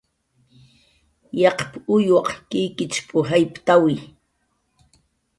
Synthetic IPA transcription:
jɑqpʊjwɑqkɪjkɪt͡ʃpʰʊɦajpt̪awɪ

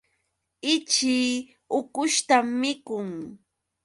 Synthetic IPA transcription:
ɪt͡ʃiː | ʊkʊʃt̪amːɪkʊŋ

